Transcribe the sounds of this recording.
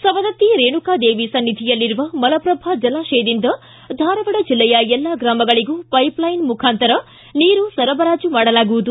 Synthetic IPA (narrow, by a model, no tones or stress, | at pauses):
sɐʋɐd̪ɐt̪ːiɾeːɳukaːd̪eːʋisɐnːid̪ʱijɐlːiɾuʋɐmɐlɐpɾɐbʱad͡ʒɐlaːʃeːd̪ind̪ɐ | d̪ʱaːɾɐʋɐɽɐd͡ʒilːɛjɐɛlːaɡɾaːmɐɡɐɭiɡuːpɐjplɐjnmukʰaːnt̪ɐɾɐ | niːɾusɐɾɐbɐɾaːd͡ʒumaːɽɐlaːɡuʋud̪u